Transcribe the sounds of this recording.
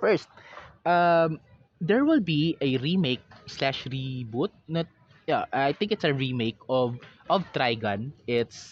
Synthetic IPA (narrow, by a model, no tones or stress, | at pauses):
fɛɹst̪̚ʔɐm | d̪ɛɹwɪlbiʔɐɹimejk̚slaʃɹibut̪̚nɐ | jaʔajt̪ɪ̃ŋkɪt̪sɐɹimeɪkɔvʔɔvt̪ɾajɡɐ̃nʔɪt̪s